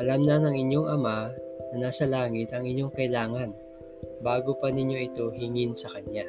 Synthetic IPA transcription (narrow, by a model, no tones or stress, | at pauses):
ʔɐlamnɐnɐŋɪɲjo̞ŋɐmanɐnaːsɐlaːŋɪt̪ɐŋɪɲjo̞ŋkɐjlaːŋɐn | baːɡo̞pɐnɪɲjo̞ʔɪt̪o̞ɦɪŋɪnsɐkɐɲja